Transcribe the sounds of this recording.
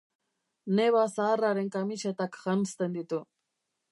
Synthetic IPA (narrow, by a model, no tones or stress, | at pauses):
neβasaːraɾeŋkamit͡ʃet̪akxanst̪end̪it̪u